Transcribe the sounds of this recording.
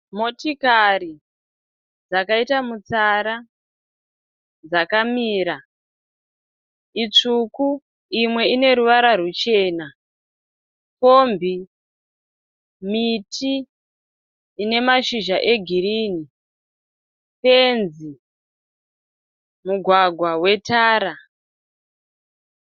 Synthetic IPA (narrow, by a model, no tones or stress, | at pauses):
mo̞tikaɾi | d͡zakaitamut͡saɾa | d͡zakamiːɾa | it͡ʂuku | imwe̞ine̞ɾuʋaɾarut͡ʃe̞ːna | ko̞mbi | mitʰi | ne̞maʃiʒaʔe̞ɡʱiɾiːni | penzi | muɡʱwaɡʱwawe̞taːɾa